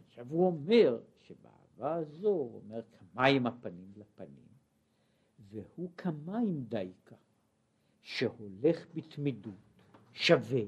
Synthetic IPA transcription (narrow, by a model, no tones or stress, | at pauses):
aʃavuo̞me̞ʁʃebea̰ːvaːzo̞o̰me̞ʁkʰamajimapanimlapanḭm | vehukʰamaimd̪ajkʰa | ʃeho̞le̞χbit̪midut | ʃave